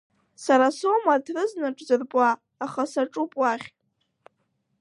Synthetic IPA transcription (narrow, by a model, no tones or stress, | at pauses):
saɾaso̞madʰrɨznaʈ͡ʂʼzɨrpʼaː | χasaʈ͡ʂʼupʼwaχʲtʼ